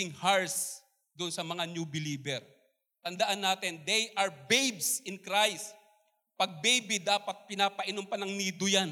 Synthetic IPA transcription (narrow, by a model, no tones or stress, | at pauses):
ɪŋhaɹs | d̪ʊʔʊnsɐmɐŋanjubɪliːbɛɾ | t̪ɐnd̪ɐʔanːaːt̪ɪnd̪ɛjʔɐɹbejbsɪnkɾajst̪ | pɐɡ̚bejbɪd̪aːpɐt̪̚pɪnaːpɐʔɪnompɐnɐŋniːd̪ojan